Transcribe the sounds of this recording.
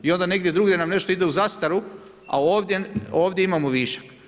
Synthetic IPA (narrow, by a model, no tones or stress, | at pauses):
io̞nd̪ane̞ɡd̪je̞d̪ɾuɡd̪ʲenamne̞ʃt̪oid̪e̞uzast̪aɾu | a̰oːʋd̪jeo̞ːʋd̪jeimamoʋiːʃḁk